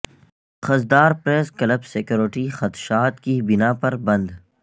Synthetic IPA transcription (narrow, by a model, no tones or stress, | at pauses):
xɐzd̪aːɾpɾeːskɐləbsekjoːɾɪʈixɐt̪ʃaːt̪kibɪnaːpɐɾbɐ̃nd̪